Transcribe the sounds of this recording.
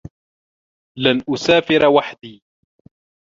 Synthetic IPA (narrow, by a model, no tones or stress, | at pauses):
lanʔʊsaːfɪɾwaħd̪iː